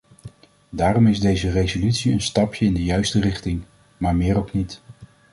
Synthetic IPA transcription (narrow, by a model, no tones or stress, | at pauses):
daːrɔmɪzdejzərejzolytsiə̰nstɑpjəɪndəjœɥstərɪχtɪŋ | maːɹmɪːɾowknit